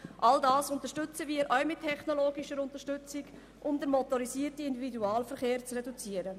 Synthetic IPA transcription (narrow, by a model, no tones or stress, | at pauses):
ʔaldɑːsʊnt̪əʃtʏt͡səʋiːəɾʔœwmɪtʰːɛχnɔloːɡiʃəɾʊnt̪əɾʃtʏt͡siɡ | ʔʊmd̪əɾmɔtɔɾisiːəɾtiɪnd̪ividuɑːlfəɾχeːɾt͡srɛdut͡siəɾə